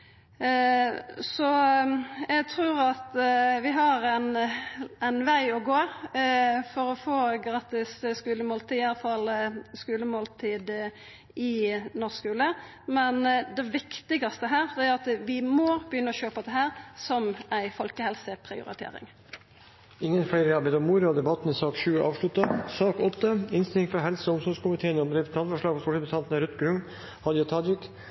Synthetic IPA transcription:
sɔ | æɡt̪ʰɾʉːʁɑt̪ʋɪɦɑɾæn | æɪnʋæɪɔɡoː | fɔɾɔfoːɡɾɑːt̪ɪsskʉːləmoːlt̪iːɪjɑlɑfɑlskʉːləmoːlt̪ʰiːd̪ | ɪnoːʁskʉːlə | mɛnd̪ɛʋɪkt̪ɪɡɑst̪əɦæːʁd̪ɛæɾɑt̪ʋɪmɔbəjʏnːəɔɕøːpɑd̪ɛhæːɾsɔmæɪfɔlkəhɛlsəpʰɾɪ̰ʊ̰ɾɪ̰t̪ʰḛːɾɪ̰ŋ | ɪŋːənfæɪɾəɑbɛd̪ɔmːuːɾəɔd̪ɛbɑt̪ːn̩ɪsɑːkʂʉːɑ̰ːʋʂɭʉt̪ːɑsɑːkɔt̪ːəɪnst̪ɪlɪŋfɔɦɛlsəʊmsɔskʊmɪt̪ʰeːənɪɔmd̪ɾɛt̪ʰɑnfɔʂlɭɑːɡfɔst̪ɔːʂəst̪ʰɑnt̪nəɾʉt̪ɡɾʉŋ | hɑd̪jɑt̪ʰɑːd̪jɪk

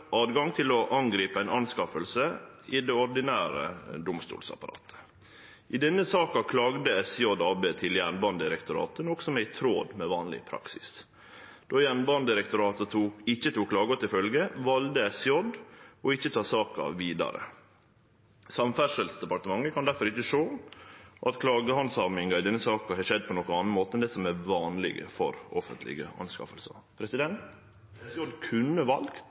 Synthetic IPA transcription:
ʔɑːd̪ɡɑŋt̪ʰɪlɔʔɑŋɡɾiːpəæɪnɑnskɑfəlsəid̪ɛɔɾɖ̪ɪnæːɾə̰d̪ʊmst̪ṵːlsɑ̰pɑɾɑ̰ːt̪ʰə̥ | ʔɪd̪ɛnːəsɑːkɑkʰlɑːɡd̪əɛsjɔd̪ɑːbeːt̪ʰɪljænbɑnd̪əɪɾɛkt̪ʊɾɑ̰ːt̪ənɔksɔmæɪt̪ʰɾoːd̪meːʋɑːnlɪ̰pʰɾɑ̰ksɪs | d̪̥oːjænbɑnd̪əɾɛk̚t̪ʊɾɑːt̪ət̪ʰuːɪçːət̪ʰuːkʰːlɑːɡʊt̪ɪfœlɡəʋɑld̪əɛsjɔd̪ɔɪçːət̪ʰɑːsɑːkɑ̰ʋiːd̪ɑ̰ɾə̰ | sɑmfæʂəlsd̪ɛpɑʈ̪əmɑŋːəkɑnd̪æɾfɔɾɪçəʂoː | ʔɑt̪kʰlɑːɡəhɑnsɑmɪŋɑɪd̪ɛnːəsɑːkɑhɑʂɛd̪̚ːpʰɔnɔkənɑnn̩moːt̪əɛnd̪ɛsɔmɛɾʋɑːnlɪ̰ɡə̰fɔ̰ɾɔfənt̪lɪ̰ɡə̰ɑ̰nskɑ̰fəlsɑ̰pʰɾɛsɪd̪ɛnt̪ | jɔd̪kʰʉnːəʋɑlɡ̥̪

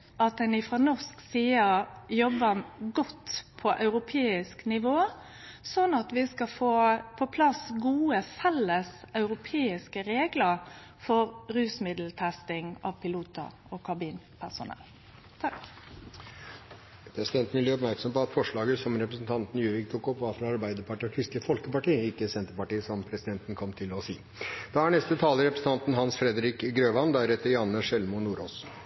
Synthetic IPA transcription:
ʔɑt̪̚d̪ɛnɪfɾɔnɔsksiːəɾjɔbːəɡɔt̪ːpʰɔʔɑʉɾʊpʰeːɪsknɪʋoː | sɔnːɑt̪ʋɪskɑfoːpʰɔpʰlɑsɡuːəfɛlːəsɑʉɾʊpʰeːɪskəɾeːɡləɾ | fɔɾɾʉːsmɪd̪l̩t̪ʰɛst̪ɪŋɑ̰ʋpɪluːt̪ə̰ | ɔkʰɑbiːn | pʰæsʊ̰nɛ̰lː | t̪ʰɑk | pʰɾɛsɪd̪ɛnt̪nʋɪlb̪ɪɾɔp̬mæɾksɔmpɔɑt̪fɔʂɭɑːɡəsɔmɾɛpɾəsn̩t̪ʰɑnt̪njʉːʋɪkt̪ʰuːkɔpʋɑːɾfɾɑɑɾbæɪd̪əɾpɑʈiːɔkʰɾɪst̪əfɔlkəpɑʈiːəɪkːəsɛnt̪əpɑʈiːəsɔmpʰɾɛsɪd̪ɛnt̪ən̩kʰɔmt̪ʰɪlɔsiː | d̪̥ɑæɳɛst̪ət̪ʰɑːləɾɛpɾəsn̩t̪ɑnt̪n̩ɦɑnsfɾɛd̪əɾɪkɡɾøːʋɑnd̪æɾɛt̪ːəɾjɑnːəʂɛlmʊnuːɾoːs

